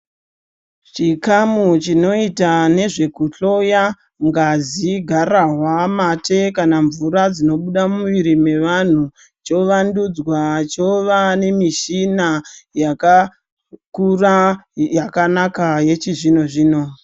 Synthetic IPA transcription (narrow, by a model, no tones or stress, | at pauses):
t͡ʃikamut͡ʃino̞itane̞ʐe̞kuɬo̞ja | ŋɡaziɡʱaraɦwamatʰe̞kanaɱvuɾad͡zino̞ɓuɗamuʋiɾime̞ʋan̤u | t͡ʃo̞ʋandud͡zwat͡ʃo̞ʋane̞miʃinajaka | kurajakanakaje̞t͡ʃiʐino̞ʐiːno̞